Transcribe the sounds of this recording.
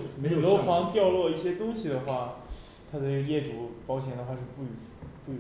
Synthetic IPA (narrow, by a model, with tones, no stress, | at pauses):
n˧i˥˨˩lo˧˥ʊfɑ˧˥ŋt̪jɑ˥˧ʊlwɔ˥˧i˥˩ɕjɛ˥t̪ʊ˥ŋɕi˨˩d̪ə˩xwa˥˩ | t̪ʰa˥d̪ə˥˨˩jɛ˥˩ʈ͡ʂu˧˥˩pɑ˥ʊɕʰjɛ˧˥nd̪ə˧xwa˥˧ʂɻ̩˥˧pu˥˩˧ | pu˥˩˧